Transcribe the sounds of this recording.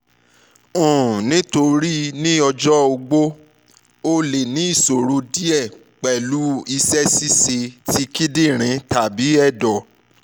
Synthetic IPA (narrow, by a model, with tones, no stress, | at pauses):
ũ˨nĩ˦to˧ɾi˦nĩ˦ɔ˧d͡ʒɔ˦o˧ɡ͡bo˦ | o˦le˨nĩ˨˦i˦˨so˨ɾo˨˦di˦ɛ˦˨ | k͡pɛ˨lu˨˦i˧sɛ˦si˦se˧ti˦ki˦dĩ˦˨ɾ̃ĩ˨˧ta˨bi˨˦ɛ˦˨dɔ˨